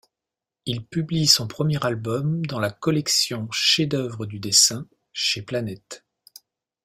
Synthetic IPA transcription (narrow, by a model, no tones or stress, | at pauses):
ilpyblisɔ̃pχəmjɛʁalbɔmd̪ɑ̃lakɔlɛksjɔ̃ʃed̪œvʁəd̪yd̪esɛ̃ | ʃeplanɛt̪